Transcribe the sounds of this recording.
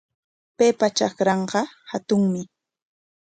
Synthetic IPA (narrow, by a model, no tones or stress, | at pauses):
peːpat͡ʃɑkɾɑɴɢɑhat̪ʊŋmɪ